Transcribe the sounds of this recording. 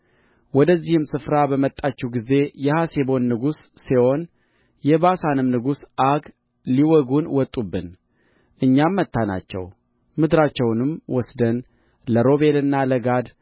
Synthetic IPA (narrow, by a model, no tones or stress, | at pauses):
wɔd̪əzːihɨmsɨfɾabəmət̪ʼːat͡ʃːɛwɡize̞jɛhasebo̞nːɨɡusːewo̞n | jɛbasanɨmnɨɡusʔaɡ | liwɔɡunwɔt̪ʼːubːɨn | ʔɨɲːamːət̪ʰːana̰t͡ʃːɛ̰w | mɨd̪ɾat͡ʃːɛwnɨmwɔsd̪ən | ləɾo̞βe̞lɨnːaləɡad̪